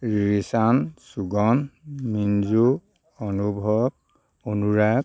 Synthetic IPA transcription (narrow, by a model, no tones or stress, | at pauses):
ɹisansuɡɔnminzu | onubʱɔb̚ | onuɹak